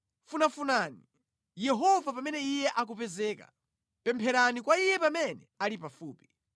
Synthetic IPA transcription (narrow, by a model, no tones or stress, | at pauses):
funafunaːni | jɛɦɔvapamɛnɛijɛʔak̬upɛzɛːka̰ | pɛmpʰɛɾanikwaijɛpamɛnɛalipafuːpi̥